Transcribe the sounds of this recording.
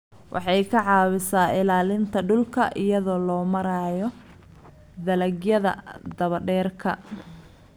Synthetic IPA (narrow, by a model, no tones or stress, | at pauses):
wʔɑ̰ħɑjkʰɐʕɑːwɪsaːɪlaːlɪnt̪ʰɐɖʊlkʰɐʔɪjɐðɔːlɔːmɐɾaːjɔ | d̪ɐlɐɡjɐðɐ̰d̪ɐβɐɖɛːrkʰɐ̰